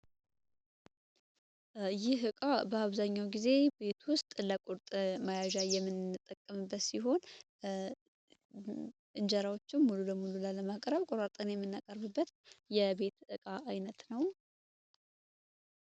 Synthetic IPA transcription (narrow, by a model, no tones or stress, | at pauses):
jɪɦɨkʼabəaβzaɲːawɡize̞be̞t̪ʰwʊst̪ʼləkʼʊɾt̪ʼmajaʒajɛmːɨnɨt̪ʼːəkʼːəmɨbːət̪siɦo̞n | ʔɨnd͡ʒəɾawo̞t͡ʃːɪnmululəmululaləmakʼɾəβkʼoɾat̪ʼənjɛmːɨnːakʼəɾβɨbːət̪jɛbe̞t̪ʔɨkʼaʔajnət̪nəw